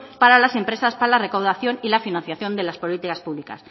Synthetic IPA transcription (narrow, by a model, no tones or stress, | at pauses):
paɾalase̞mpɾe̞saspaɾalare̞kawðaθjo̞nilafinãn̟θjaθjo̞nd̪e̞laspo̞lit̪ikaspuβlika̰s